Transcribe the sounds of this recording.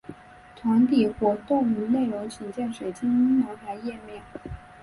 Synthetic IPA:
t̪ʰwa˧˥nt̪ʰi˨˩xwɔ˧˥t̪ʊ˥˩ŋy˧˥ne˥˩ɪɻʊ˧˥ŋt͡ɕʰi˨˩nt͡ɕjɛ˥˩nʂwe˨˩ɪt͡ɕʰi˥ŋi˥nʊ˧˥ŋt̪ʰa˧˥ɪjɛ˥˧mjɛ˥˩ŋ

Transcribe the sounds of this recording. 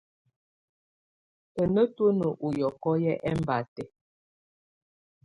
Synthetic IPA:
ə˨nə˦to˦nə˨ʔu˨jɔ˨kɔ˦jɛ˦ʔɛ˦m˦ba˨tɛ˨

